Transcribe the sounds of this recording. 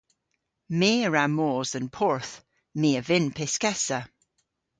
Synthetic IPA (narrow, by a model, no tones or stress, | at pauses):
meːəɹamoːzənpʰɔɹθ | meːəvɪnpʰɪskɛsə